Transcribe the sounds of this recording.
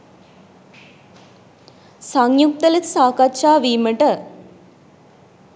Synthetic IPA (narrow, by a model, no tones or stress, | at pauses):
sɐŋjuk̚t̪ɐlit̪saːkɐt͡ʃːaːʋiːmɐʈɐ